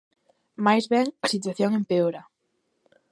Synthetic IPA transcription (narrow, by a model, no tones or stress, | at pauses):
majzβɛŋasit̪̬waθjoŋempeoɾa